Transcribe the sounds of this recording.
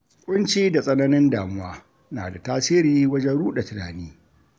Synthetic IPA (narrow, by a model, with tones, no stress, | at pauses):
kʷʼʊ˦nt͡ʃiː˦da˨sʼɐ˦nɐ˦nɪ˦ndaː˨mʊ˦waː˦ | naː˨da˨taː˦sɪː˦ɾiː˦wɐ˦d͡ʒɛ˦nɽuː˦ɗa˨tɪ˨na̰ː˨niː˦